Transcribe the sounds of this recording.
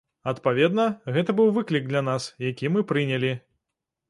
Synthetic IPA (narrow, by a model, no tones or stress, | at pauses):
ɐt̪pavʲɛd̪nɐɣɛt̪ɐbɨwvɨklʲik̚d̪lʲanasjakʲimɨpɾɨnʲɐlʲi